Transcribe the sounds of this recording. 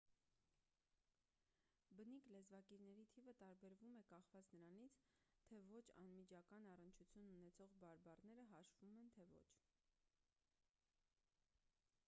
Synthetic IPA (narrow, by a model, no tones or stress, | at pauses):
bəniklɛzvɑkiɾnɛɾit̪ʰivət̪ɑɾbɛɾvumɛkɑχvɑt͡snəɾɑnit͡sʰt̪ʰɛvɔt͡ʃʰɑ̰nmid͡ʒɑkɑnɑrənt͡ʃʰut͡sʰjununɛt͡sʰɔʁbɑɾbɑrnɛɾəɦɑʃvumɛnt̪ʰɛvɔ̰t͡ʃʰ